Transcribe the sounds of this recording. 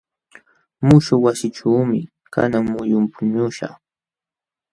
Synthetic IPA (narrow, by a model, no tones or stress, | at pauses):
mʊʃʊwasɪʈ͡ʂaːmɪ | ka̰naŋmʊjʊmpʊɲʊʃa̰χ